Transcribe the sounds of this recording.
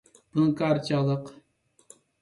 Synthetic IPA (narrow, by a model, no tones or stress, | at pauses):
b̥unɨkɑːɾt͡ʃʰɑʁlˠəq